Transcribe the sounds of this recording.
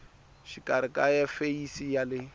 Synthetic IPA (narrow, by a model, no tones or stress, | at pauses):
ʃikʼaɾɪkʼajɛfeisijalɪ